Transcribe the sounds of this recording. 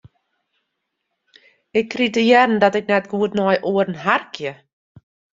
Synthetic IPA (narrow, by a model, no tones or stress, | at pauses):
ɪkːritəjɛrndɔtɛk̚nɛtɡuətnɔjʔuərnɦarkʰjə